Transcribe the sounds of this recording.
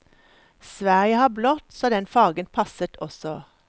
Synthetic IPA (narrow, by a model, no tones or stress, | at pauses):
sʋæʁjəhɑːblɔt̪soːd̪ɛnfɑːɡənpʰɑsət̪ʰɔsɔ